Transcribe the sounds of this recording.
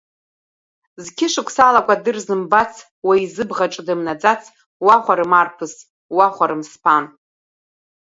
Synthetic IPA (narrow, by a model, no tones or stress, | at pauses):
zkʲʰɪʂɨkʷʰsalakʷʼadɨrzɨmbat͡sʰ | waizɨbʁaʈ͡ʂʼdɨmnad͡zat͡sʰ | waχʷaɾɨmarpʰɨs | waχʷaɾɨmspʰan